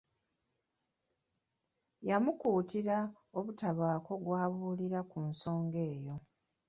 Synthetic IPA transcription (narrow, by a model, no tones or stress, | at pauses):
jamukuːtiɾa | oβutaβaːko̞ɡwaːβuːliɾakunso̞ːŋɡe̞ːjo̞